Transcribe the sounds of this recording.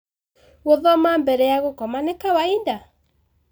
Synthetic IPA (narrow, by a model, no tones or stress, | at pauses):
woðɔmambɛɾɛjaɣokɔmanekawainda